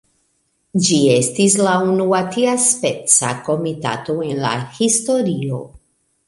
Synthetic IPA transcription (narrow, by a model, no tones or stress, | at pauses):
d͡ʒiestislaunuat̪iaspet͡sa̰ko̞mita̰toenla̰histo̞ɾio̞̰